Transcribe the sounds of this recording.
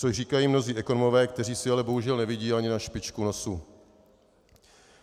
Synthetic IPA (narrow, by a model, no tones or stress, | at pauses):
oriːkajiːmno̞ziːʔɛkonomo̞vɛːkt̪ɛr̝iːsɪalɛbo̞ɦuʒɛlnɛvɪɟiːaɲɪnaʃpɪt͡ʃkuno̞su